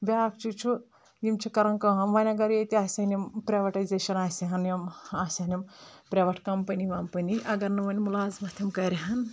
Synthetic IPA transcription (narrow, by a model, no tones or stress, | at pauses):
bʲaak̚t͡ʃʰut͡ʃʰu | jimt͡ʃʰikɐɾɐŋkɐɦɐmʋɐnʲɐɡɐɾjet̪iaːsʲɐnʲimpɾʲeʋɐʈajzeʃɐnaːsʲiɦɐnjɐmaːsʲɐnʲimpɾʲeʋɐʈʰkɐmpɐniʋampɐniʔɐɡɐɾnɨʋɐnʲmulaːzmɐt̪ʰʲɐmkɐɾʲiɦɐn